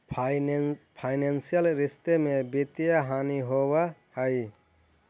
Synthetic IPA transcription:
pʰajnansijalɾist̪emebit̪ijaɦaniɦowahaj

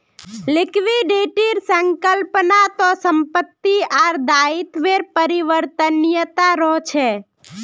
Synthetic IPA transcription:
lɪkʋiɖeʈiɾsəŋkəlpnat̪osəmpət̪ːiaɾd̪aɪt̪ʋeɾpəɾiʋəɾt̪ənjət̪aɾɔɦt͡ʃʰe

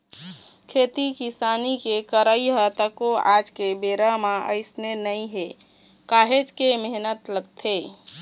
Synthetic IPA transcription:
kʰet̪ikisanikekəɾəiɦət̪əkoad͡ʒkebeɾəmaʔə̰ɪsnenəĩɦe | kaːɦed͡ʒkemeɦnət̪ləɡt̪ʰe

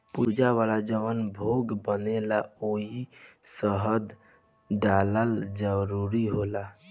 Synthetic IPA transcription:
pud͡ʒaβalad͡ʒəʋənbʱoɡbənelaoɦisəɦəd̪ | ɖaləld͡ʒəɾuɾiɦola

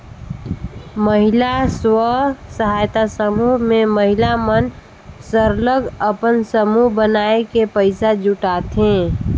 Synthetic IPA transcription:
məɦɪlaswəsəɦaːjt̪asəmuɦmẽməɦɪlamən | səɾləɡəpənsəmuɦbənaːekepəɪsad͡ʒʊʈaːt̪ẽː

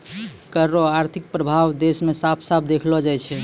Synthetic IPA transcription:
kəɾːoaɾt̪ʰik̚pɾəbʱawd̪esmesapʰsap̚ʰd̪ekʰlɔd͡ʒajt͡ʃʰɛ

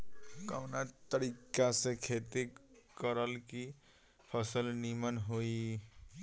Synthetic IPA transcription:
kawnat̪əɾikasẽkʰet̪ekəɾəlki | pʰəsəlnimənɦoi

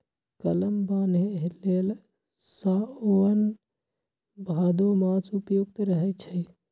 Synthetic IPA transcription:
kələmbaneɦlel | saoən | bʱad̪omat͡ʃupjoɡ̚t̪ɾəɦɛt͡ʃʰə

